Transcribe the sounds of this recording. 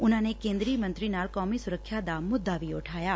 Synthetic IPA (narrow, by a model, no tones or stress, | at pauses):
ʊnanekẽnd̪ɾiːmə̃nt̪ɾinalkɔmisʊɾəkʰʃjad̪amːʊd̪ːaʋioʈʰaja